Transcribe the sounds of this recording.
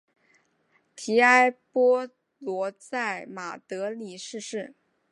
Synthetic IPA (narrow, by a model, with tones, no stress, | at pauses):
t̪ʰi˧˥a˥ɪpɔ˥ | lwɔ˧˥t͡sa˥˩ɪma˨˩t̪ɤ˧˥li˨˩ʂɻ̩˥˧ʂɻ̩˥˩